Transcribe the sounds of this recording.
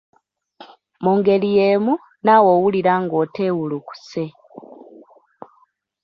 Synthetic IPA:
muːŋɡe̞lijeːmu | naːwoːwuliɾaŋɡo̞ːte̞ːwuluku̥se

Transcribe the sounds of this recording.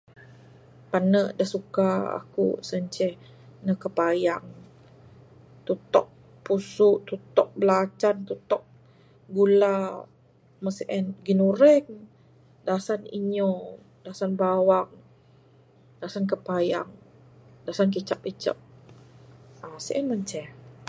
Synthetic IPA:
panəʔdahsukaa̰kṵsəɲt͡ʃɛh | nəkəpajaŋ | t̪ut̪ɔʔ̚ | pusuʔt̪ut̪ɔʔ̚bəlat͡ʃant̪ut̪ɔʔ̚ | ɡula | məsʔɛnɡinuɾɛŋ | dasanḭɲɔ | dasanbawaŋ | dasankəpaja̰ŋ | dasankit͡ʃapit͡ʃə̰p̚ | asəʔɛnməɲt͡ʃɛh

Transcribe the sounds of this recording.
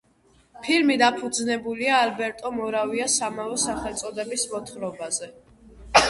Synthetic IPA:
pʰilmid̪apʰud̪znɛbuliaːlbɛɾt̪ʼɔmɔɾaviasamavɔsaχɛlt̪sʼɔd̪ɛbismɔt̪ʰχɾɔbazɛ

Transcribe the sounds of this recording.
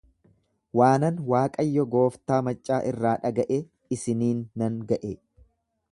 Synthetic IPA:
waːnɐnwaːkʼɐjːɔɡo̞ːft̪aːmɐt͡ʃʼːaːʔɪrːaːᶑɐɡɐʔe | ɪsɪniːnːɐŋɡɐʔe

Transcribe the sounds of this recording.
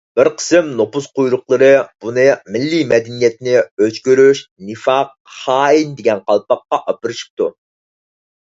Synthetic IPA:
b̥ɪɾqʰə̥sɪmnopuzqʰujɾʊqlˠəɾɨb̥unɨmɪlːimɛd̪ɛnijɛt̪nɪøt͡ʃkʲyɾyʃnɨfɑq̚ | hɑːind̪eɡʲɛnqʰɑlˠpɑqːɑʔɑpɨɾɨʃi̥p̚t̪u

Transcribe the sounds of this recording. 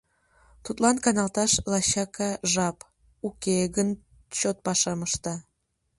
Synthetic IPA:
t̪ut̪lɑnkɑnɑlt̪ɑʃlɑɕɑkɑʒɑp | ukeɡən | t͡ɕot̪̚pɑʃɑməʃt̪ɑ

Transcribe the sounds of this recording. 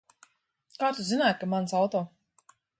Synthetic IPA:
kaːt̪uzinaːjt̪̚kamansawt̪ɔː

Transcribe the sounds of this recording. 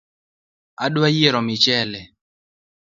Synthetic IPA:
adwajieɾɔmɪt͡ʃɛlɛ

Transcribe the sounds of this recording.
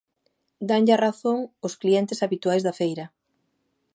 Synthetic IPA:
d̪aŋʎaraθoŋoskliɛnt̪ɪsaβit̪uajzðɐfejɾɐ

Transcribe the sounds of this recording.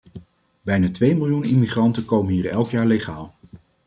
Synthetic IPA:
bɛjnaːtʋejmɪlˠjunimiχrɑntəkowmənɦiːɹɛlˠkjaːɹleχaːlˠ

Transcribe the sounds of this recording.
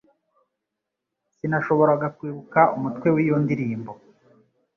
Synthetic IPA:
sinaʃo̞βo̞ɾaɡakwiːβukaumutkwe̞wiːjondiɾiːmbo

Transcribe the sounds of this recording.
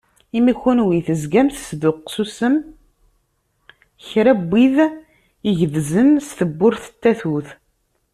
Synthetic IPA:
imiçunwiθəzɡæmθsðʊqːsusəm | çɾæbːið | iʝðzənst̪əbːʊɾθə̥t̪ːæθuθ

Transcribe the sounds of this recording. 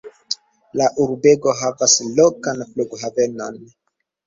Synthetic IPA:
laʔuɾbe̞ɡo̞ɦavaslokanfluɡɦave̞no̞n

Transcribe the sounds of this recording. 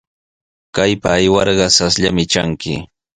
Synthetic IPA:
kajpaːjwɑɾɢɑsasʎa̰mɪt͡ʃa̰ŋkɪ̰

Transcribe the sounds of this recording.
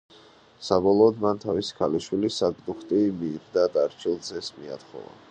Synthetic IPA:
sabɔlˠɔːd̪mant̪ʰavisi̥kʰaliʃwilisaɡʼd̪uχt̪ʼimiːɾd̪ad̪aɾt͡ʃʰilˠzʰɛsmia̰t̪χɔ̰va̰

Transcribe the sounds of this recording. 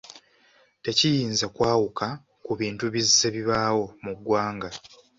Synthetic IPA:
te̞cijiːnzakwaːwukʰa | kuβiːntuβizːeβiβaːwo̞muɡwaːŋɡa

